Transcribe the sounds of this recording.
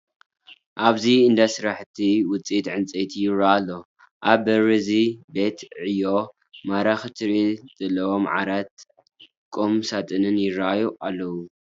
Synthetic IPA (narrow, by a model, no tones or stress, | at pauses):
ʔaβziɨnd̪asɨɾaħt̪ʰiwʊt͡sʼit̪ʕɨnt͡sʼet̪ʰijɪɾaːlːo | ʔaβbɐɾizibet̪ʕɨjo̞ | maɾaxɨt̪ʰɨɾiz̥ɐlːɐwomʕa̰ɾat̪̚ | kʼomsat̪ʼɨnɨnjɪɾaajuʔalːɐwu